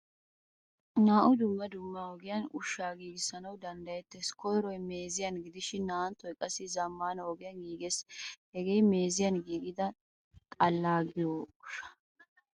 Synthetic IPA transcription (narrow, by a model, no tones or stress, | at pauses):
naːʔʊd̪ʊmːɐd̪ʊmːɐɔɡɪjɐnʊ̰ʃːaːɡiːɡɪsːɐnɐwd̪ɐnd̪ɐjɛt̪ːeskɔjɾɔjme̞ːzɪjɐnɡɪd̪ɪʃɪnːaːnt̪ːɔjkʼɐsːɪzɐmːaːnɐwɔɡɪjɐnɡiːɡeshɛɡejme̞ːzɪjɐnɡiːɡɪd̪ɐ | kʼɐlːaːɡɪjoʊʃɐ̥